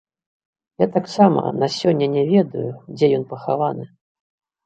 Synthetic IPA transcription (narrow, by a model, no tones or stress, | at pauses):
jat̪aksamɐ̰nasʲɔnʲːɐnʲɛvʲɛd̪ṵjud͡zʲɛjɔnpɐxavanɨ